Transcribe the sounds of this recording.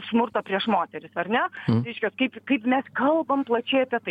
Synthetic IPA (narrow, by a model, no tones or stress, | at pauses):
smʊrt̪ɐpʲɾʲiɛʃmoːt̪ʲɛɾʲɪsɐrʲnʲɛɾʲɛɪʃʲkʲɛskɐɪpkɐɪpmʲɛskɐlˠbɐmplˠɐt͡ʃʲɛɪɐpʲiɛt̪ɐɪ